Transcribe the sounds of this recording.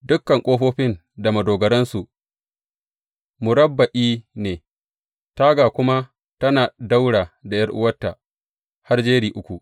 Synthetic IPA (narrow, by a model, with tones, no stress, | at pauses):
dʊ˦kːɐ˨ŋkʷʼoː˦ɸoː˦ɸɪ˦n | da˨mɐ˨doː˨ɡɐ˨ɾɐ˦nsu˨ʔ | mʊ˨ɾɐ˦bːɐ˨ʔiː˦neː˨ | ta˦ɡaː˨kʷʊ˦ma˦ | tɐ˦naː˨da˦wɽaː˨da˨jɐ˦rʔʊ̰˦wɐ˦tːa˨ | ha˦rd͡ʒeː˦ɾiː˨ʔʊ˦kʷu˨ʔ